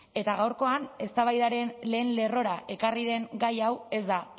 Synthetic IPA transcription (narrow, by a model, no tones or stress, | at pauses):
e̞t̪aɣawɾko̞ane̞st̪aβajðaɾe̞nle̞ːnle̞ro̞ɾaʔe̞kariðe̞ŋɡajawe̞zd̪a